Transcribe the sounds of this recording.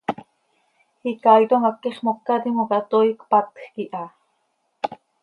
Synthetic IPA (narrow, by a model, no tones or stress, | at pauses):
ikalt̪oŋakːeχmokːat̪imokɑt̪oikpat̪xkiʔɑ